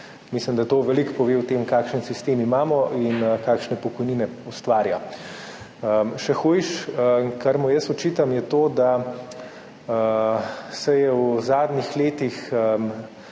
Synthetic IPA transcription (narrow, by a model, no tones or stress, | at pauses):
mislimd̪at̪oːʋɛlikpɔʋeːwt̪eːmkaːkʃənsist̪eːmimaːmɔʔinkaːkʃnɛpɔkɔjniːnɛust̪ʋaːɾja | əʃɛxujʃəkaɾmɔjəsɔt͡ʃit̪amjɛt̪oːd̪a | sɛjɛwzaːd̪nixleːt̪ix